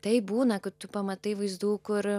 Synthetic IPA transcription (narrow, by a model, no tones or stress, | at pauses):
t̪ɐɪbuːnɐkɐt̚t̪ʊpɐmɐt̪ɐɪʋɐɪzd̪uːkʊɾ